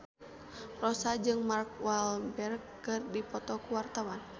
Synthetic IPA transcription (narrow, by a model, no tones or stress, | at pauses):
rɔsad͡ʒɨŋmark̚walbɛrkːɨrdipɔt̪ɔkuwart̪awan